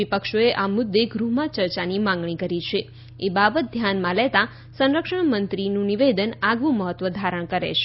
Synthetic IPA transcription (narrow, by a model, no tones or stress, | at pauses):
ipəkʃoeʔamʊd̪ːeɡɾuɦmãt͡ʃəɾt͡ʃanimãŋɡɳikəɾit͡ʃʰe | ebabət̪̚d̪ʱjanmãlet̪ã | sə̃nɾəkʃəɳmənt̪ɾinũniʋed̪ənaɡʋũməɦət̪ːʋəd̪ʱaɾəɳ̃kəɾḛt͡ʃʰe̥